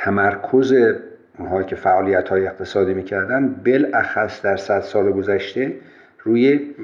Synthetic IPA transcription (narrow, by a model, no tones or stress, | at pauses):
t̪ʰæmæɾkʰoze | unɦɒːjcʲʰe̞fæʔɒːlijæt̪hɒːjeeqt̪ʰe̞sɒːd̪iːmiːcʰæɾd̪ænd̪be̞lʔæxæsd̪æɾsæd̪sɒːleɡozæʃt̪e̞ | ɾuːje